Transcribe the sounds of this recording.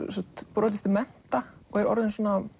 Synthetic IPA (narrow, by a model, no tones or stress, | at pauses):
sɔt̪pɾɔːt̪̬ɪst̪ɪmɛn̥t̪aɔɣɛɾɔ̰ɾðɪnsɔːna